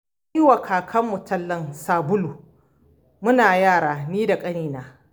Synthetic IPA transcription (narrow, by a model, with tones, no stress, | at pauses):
i˦wa˨kʰaː˨kʰɐ˦mːʊ˨tʰɐ˦lːɐ˦nsaː˨bʊ˦lu˨ | mʊ˦naː˨jaː˦˨ɽaː˨niː˦da˨kʼɐ˦niː˨naː˨